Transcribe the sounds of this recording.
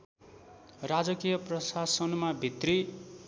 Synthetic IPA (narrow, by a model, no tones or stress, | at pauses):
rad͡zʌkijʌprʌsasʌnmabʱit̪ri